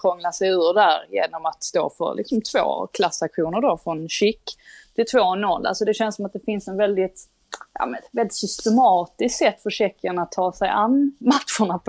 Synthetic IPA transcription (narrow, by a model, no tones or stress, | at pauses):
kʰɾɔŋlasɛjʉ̟ːɾd̪æɾjḛːnɔmat̪st̪o̰ːfœ̰ɾlʔɪ̰ksɔmt̪ʰv̥o̰ːkʰlasakɧuːnəɖofɾɔnɕɪkːt̪ʰɪlt̪ʰvoːnːɔlːʔa̰lsɔd̪ɛɕɛnsɔmat̪̚d̪ɛfɪnsɛnvɛld̪ɪt̪ | jɑ̰mɛnvɛld̪ɪt̪sʏst̪ɛmɑːt̪ɪskt̪sɛt̪ːfœɕɛkːaɳat̪ʰːɑːsɛjʔanmat̪ɧʊɳap